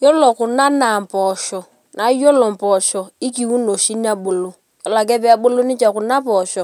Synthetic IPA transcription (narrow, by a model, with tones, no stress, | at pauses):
jɔ˦lɔ˨ku˨na˦na˨m̩˨pɔ˨ʃɔ˨ | na˨˦jo˦lɔ˨m̩˨pɔ˨ʃɔ˨i˦ki˨wu˦no˨ʃi˦n˦a˦bo˨lo˦ | jɔ˨la˨k̬ɛ˦pɛ˨˦a˨ɓo˦lo˦ni˦t͡ʃa˨kʊ˨na˦pɔ˨ʃɔ˨